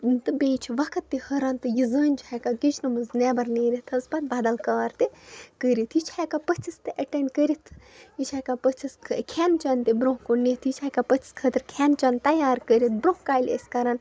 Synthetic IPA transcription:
t̪ɨbeːjt͡ʃʰiʋɐkʰɐt̪ːihɐɾɐːnt̪ɨjizəːnʲt͡ʃakaɡit͡ʃʰnɨmɨznɛːbɐɾneːɾit̪ʰɐsbɐt̪̚bɐd̪ɐlkaːɾt̪ikəɾit̪ʰjit͡ʃʰakapət͡ʃʰist̪ɨʔɐʈeɳɖkəɾit̪ʰ | jit͡ʃʰaːjkapət͡ʃʰiskʰɨkʰɛːnt͡ʃɐnt̪ibɾõɦkonet̪ʰjit͡ʃʰaːkapət͡ʃʰi̥skʰɐt̪ɨɾkʰɛːnt͡ʃɐːnt̪ɐjaːɾkəɾit̪̚ʰbɾoɦkaːjlʲeskɐɾan

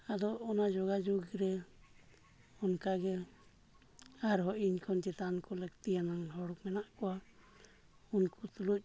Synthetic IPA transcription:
ad̪ɔːnad͡ʒɔɡad͡ʒuɡɾɛ | ɔnkaɡɛ | aɾɦɔʔiɲkʰɔnt͡ʃit̪ankulɛkt̪ianaŋɦɔɽɔkmɛnaʔkɔa | unkut̪uluc̚

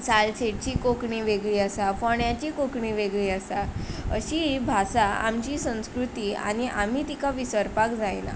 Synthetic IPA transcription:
t͡salt͡ɕeʈ̚t͡ɕiːkokɳiʋeɡɭiːəsafɔɳjat͡ɕiːkokɳiʋeɡɭiːəsaə̰ɕibʱasaa̰mt͡ɕiːsə̃w̃skɾut̪iːa̰niʔa̰m̤iːt̪ikaʋisəɾpakd͡zajna̰

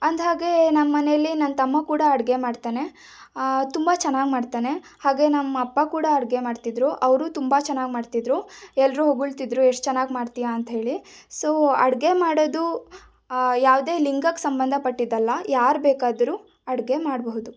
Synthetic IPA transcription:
ɐnd̪ɦaːɡe̞nɐmɐːɐnejɐlːinɐnt̪ɐmːɐkuːɽɐːɽɡe̞maːɖt̪aːne̞ | t̪umbɐt͡ʃɛnːaːɡmaːɖt̪aːne̞ | haːɡe̞nɐmːɐɐpːɐkuːɽɐɐɽɡe̞maːɖt̪id̪ɾuʔɐʋɾuːt̪umbat͡ʃɛnːaːɡmaːɖt̪id̪ɾuɛlːɾuɦoɡuɭt̪id̪ɾueʂʈ̚t͡ʃɛnːaːɡmaːɖt̪ijaɐnt̪ɐɦe̞ːɭisoːɐɽɡe̞maːɽod̪u | jaːʋd̪e̞ːliŋɡɐkːsɐmbɐnd̪ʱɐpɐʈːid̪ɐlːɐjaːɾbeːkaːd̪ɐɾuː | ɐɽɡe̞maːɽboɦud̪u

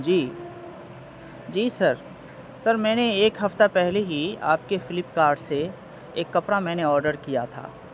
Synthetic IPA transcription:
d͡ʒiː | d͡ʒiːsɐɾ | sɐɾmɛ̃ːneeːkɦɐft̪apɛɦleɦia̰ːp̚kefɪlɪpkaːɾɖse | eːkːɐpɾamɛ̃ːneɔːɾɖəɾkija̰t̪ʰa̰ː

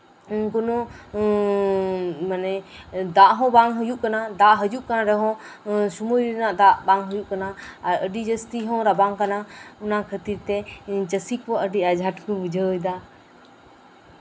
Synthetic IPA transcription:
nkɔnɔ | manɛd̪aʔɦɔ̃baŋɦəjuʔkanad̪aʔɦəd͡ʒuʔkanaɾɛɦɔ̃sumujɛnaʔd̪aʔbaŋɦəjuʔkanaːɾəɖid͡ʒəst̪iɦɔ̃ɾabaŋkanaunakʰət̪iɾt̪ɛt͡ʃəsikpɔʔəɖiʔad͡ʒʱaʈkubud͡ʒʱəjd̪a

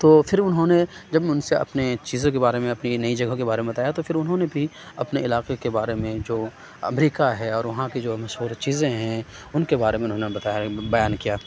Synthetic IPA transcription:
t̪oːfʰɪɾʊnɦõned͡ʒɐbʊnseɐ̰pnet͡ʃiːzõkebaːɾemẽɐpninɐid͡ʒɐɡʱɦkebaːɾemẽbɐt̪aːjat̪ofʰɪɾʊnɦõnebʱi | ɐpneɪlaːqekebaːɾemẽd͡ʒoː | ɐ̰mɾiːkaɦɛɔːɾʋɐɦãkid͡ʒoːmɐʃɦuːɾt͡ʃiːzẽɦɛ̃ʊnkebaːɾemẽʊnɦõːnebɐt̪abɐjaːnkijaː

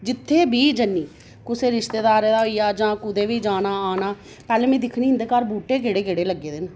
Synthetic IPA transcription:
d͡ʒɪt̪ʰːeːbʱiːd͡ʒənːiː | kʊseːɾɪʃt̪eːd̪aːɾeːd̪aːoijaːd͡ʒãːkʊd̪eːʋiːd͡ʒaːnaːaːnaː | pɛːleːmẽːd̪ɪkʰniːɦɪnd̪eːkaːɾbuːʈeːkeɽeːkeːɽeːləɡːeːd̪ɪn

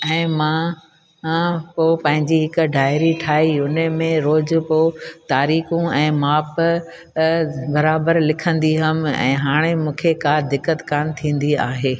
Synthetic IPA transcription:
ɛ̃ːmãː | poːpɐ̃ɦɪ̃ɲd͡ʑiɦɪkʊ̆ɖʱaːɪɾiʈʰaːiʊnəmẽɾoːd͡ʑpoːt̪aːɾiːxũɛ̃ːmaːp | bɐɾaːbəɾlɪkʰə̃nd̪iɦɐmɛ̰̃ːɦaːɽ̃emũːkʰekad̪ɪkːət̪kaːnt̪ʰĩːn̆d̪iaːɦeː

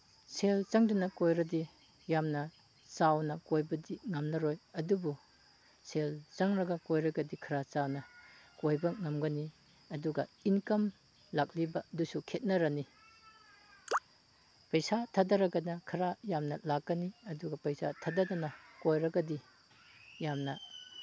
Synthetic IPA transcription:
sʰelt͡ʃaŋdɐnɐkojɾɐdi | jamnɐ | t͡ʃawnɐkojbɐdiŋɐmnɐɾojɐdubu | sʰelt͡ʃaŋɾɐɡɐkojɾɐɡɐdikʰɐɾat͡ʃawnɐkojbɐŋɐmɡɐni | ɐduɡɐinkɐm | lak̚libɐdusukʰet̚nɐɾɐni | pɐjsatʰadɐɾɐɡɐnɐkʰɐɾajamnɐlakːɐniɐduɡɐpɐjsa̰tʰɐdɐdɐnɐkojɾɐɡɐdi | jamnɐ

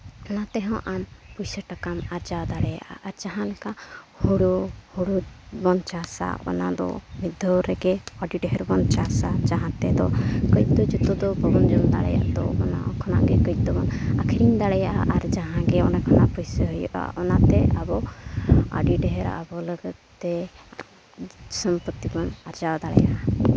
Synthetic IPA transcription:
ɔnat̪ɛɦɔ̃ʔanpujsəʈakamaɾd͡ʒad̪aɽɛja̰ʔaʔːɾd͡ʒaɦãlɛka | huɽuhuɽubɔnt͡ʃasa̰ɔ̰na̰d̪ɔ̰mid̪ʱːɔɾɛɡɛaɖiɖɛɦɛɾbɔnt͡ʃasad͡ʒaɦãt̪ɛd̪ɔkɔjt̪ɔd͡ʒut̪ɔd̪ɔbɔbɔnd͡ʒɔnd̪a̰ɽɛ̰ja̰ʔd̪ɔ̰ɔna̰kʰɔna̰ʔɡɛkɔj̪t̪ɔbɔnakʰiɾiɲd̪aɽɛjaʔaʔaɾd͡ʒaɦãɡɛɔnakʰanapɔjsəɦujɔʔa̰ʔɔnat̪ɛabɔ | a̰ɖiɖɛɦɛɾa̰bɔləɡət̪ː | ɛ | sɔmpət̪ːibɔnaɾd͡ʒawd̪aɽɛ̰ja̰ʔa

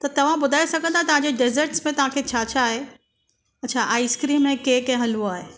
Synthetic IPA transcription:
t̪ɐt̪ɐʋ̤ãbʊd̪ʱaːesɐɡʱə̃nd̪at̪ɐʋ̤ãɲd͡ʑeɖɪzəɾʈsmẽt̪ɐʋ̤ãkʰet͡ɕʰat͡ɕʰaːɦe | ɐtːt͡ɕʰaʔaːiskɾiːnmẽkeːkɐ̃ɦɐ̃luaːɦe

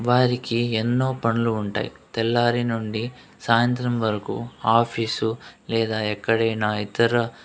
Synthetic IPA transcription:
ʋaːɾikienːo̞ːpɐɳɐluːɳʈa̰ːjḭt̪ɛlːaːɾinuɳɖi | saːjɐnt̪ɾɐmʋɐɾɐkṵːaːpʰiːsulɛːd̪aːɛkːɐɽɐjnaːit̪ɐɾɐ

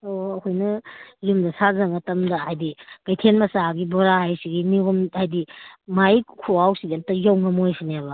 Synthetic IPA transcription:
oɐhɔjnɐjumdɐsazɐŋɐtɐmdɐhajdiɡajtʰenmɐsaɡibɔɾaɦajsiɡiniɡumhajdimajkʰoawsiɡiantːɐjawŋɐmojsineabɐ

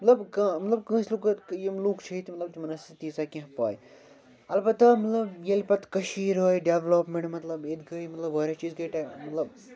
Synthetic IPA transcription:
mɐt̪lɐbkɐmɐt̪lɐb̚kə̃ːsluk̪jemluːkt͡ʃʰɐit̪imɐt̪lɐbt͡ʃmɐnɐsit̪isakĩɦpa̰ːj | ɐlbɐt̪amɐt̪lɐbjelpɐt̪kɐʃiːɾoːiɖeʋloːpmẽɳʈmɐt̪lɐbed̪ɡɐimɐt̪lɐboːɾʲat͡ʃiːzɡɐʈamɐt̪lɐb

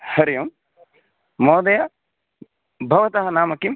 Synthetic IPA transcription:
hɐɾijɐm | moːd̪ɐja | bʱɐʋɐt̪ɐɦɐnaːmɐkim

